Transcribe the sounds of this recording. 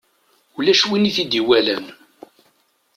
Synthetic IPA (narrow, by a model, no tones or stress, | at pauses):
ulæʃwiniθid̪iwælæn